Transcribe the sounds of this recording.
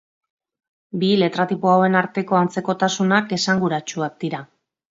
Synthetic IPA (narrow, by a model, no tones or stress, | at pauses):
bile̞t̪ɾat̪ipoawe̞naɾt̪e̞ko̞ant͡se̞ko̞t̪asunake̞saŋɡuɾat͡ʃuak̚d̪iɾa